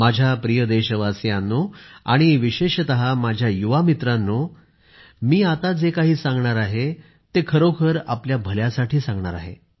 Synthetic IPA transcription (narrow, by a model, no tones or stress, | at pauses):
mad͡ʑʱjapɾijəd̪eɕəʋasjanːoa̰ɽ̃iʋiɕeɕt̪əɦamad͡ʑʱjajuʋamit̪ɾanːo | miːat̪ad͡zekaɦiːsãŋɡɳaɾaɦe | t̪ekʰəɾokʰəɾa̰pljabʱəljasaʈʰiːsãŋɡɳaɾaɦḛ